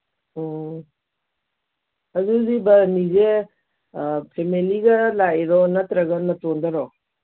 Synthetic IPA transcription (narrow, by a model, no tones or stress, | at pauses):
ɐzuzibɐnize | pʰemeliɡɐlaɾɔnɐt̪ɾɐɡɐnɐtondɐɾɔ